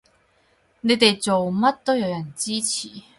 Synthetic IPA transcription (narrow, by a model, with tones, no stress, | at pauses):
ne˨˧jt̪e˨jt͡so˨wmɐ˥t̚t̪o˥wjɐ˨˧wjɐ˨˩nt͡siː˥t͡sʰiː˨˩